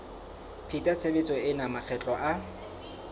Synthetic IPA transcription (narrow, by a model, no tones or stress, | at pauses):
pʰitʼat͡sʰebet͡sʼɔɪnamak͡xʰɛt͡ɬʼɔʔa